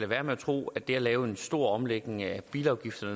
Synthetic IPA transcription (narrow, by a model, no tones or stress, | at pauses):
l̥æʋæːɐmeæt͡sʰʁo̝̰ːæd̥e̝æɐlɛːʊe̝nsd̥o̝ɐ̰ɒ̽mleɡ̥ne̝ŋæb̥iːlɑ̈ʊɡ̥ifd̥ɐnə